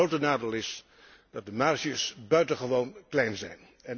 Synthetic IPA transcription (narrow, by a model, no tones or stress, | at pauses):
owtənaːdelˠɪs | d̥ɑt̚dəmaɹʃiəsbœɥtənχəʋownklɛjnzɛ̰jn | ɛn